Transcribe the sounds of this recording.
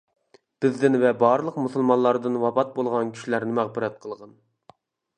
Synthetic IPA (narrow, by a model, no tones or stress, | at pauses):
b̥ɪzd̪ɪnvɛbɑɾlˠəqmusɨlˠmɑnlˠɑɾd̪ɨnwɑpɑt̪̚bolˠʁɑnkʲʰy̥ʃilæɾnɪmæʁbɨɾɛt̪̚qʰəlˠʁɑn